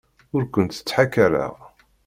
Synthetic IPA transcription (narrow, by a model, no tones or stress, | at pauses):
ʊɾkʷːənt̪ə̥t͡sːħakːaɾə̰ʁ